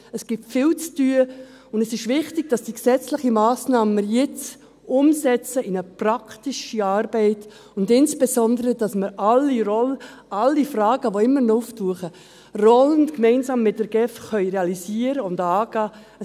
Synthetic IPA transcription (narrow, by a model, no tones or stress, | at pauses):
əsɡ̥ɪp̚tfɪːlt͡styə | ʊndɛsɪʃvɪχtɪɡ̥̚d̥ɑsd̥iksɛt͡slɪχimaːsnɑːməjɪt͡s | ʊmsɛt͡səɪnəprɑktiʃiɑːɾbɛɪt | ʊndɪnsb̥ɛsɔndəɾəd̥ɑsməɾʔɑlːiɾɔl | ɑlːifrɑːɡ̥əʋoɪmːəɾnɔuftuːəχə | rɔlənkmɛɪnzɑːmːɪt̚d̥əɾɡ̥ɛfxœʏɾeɑlisiəɾəʊndɑːɡ̥ɑː